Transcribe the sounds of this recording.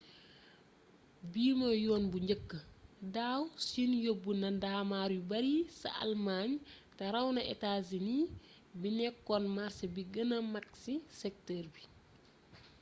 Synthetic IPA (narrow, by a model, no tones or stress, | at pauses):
biːmɐjɔːnbuɲɟəkːədaːwsinjobːunɐdaːmaːɾjibɐɾisɐ̰ʔɐ̰lmaːɲtɛɾɐwnɐʔɛ̰taːzini | binɛkːɔnmarsɐbiɡənɐmɐksisɛk̚tɛːrbi